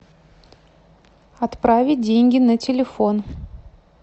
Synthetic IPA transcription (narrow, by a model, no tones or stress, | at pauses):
ɐt̪pɾavʲɪt̚ʲdʲenʲɡʲɪnətʲɪlʲɪfo̞n